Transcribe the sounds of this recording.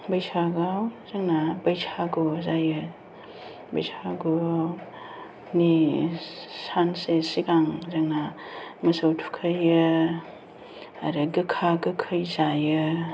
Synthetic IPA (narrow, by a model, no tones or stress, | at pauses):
bajsaɡawzaŋnabajsʰaɡozajɯ | bɐjsʰaɡo | ni | sansesiɡaŋzaŋnamɐsowtʰu̥kʰɯjɯ | a̰ɾɯɡɯkʰaɡɯkʰɯjzajɯ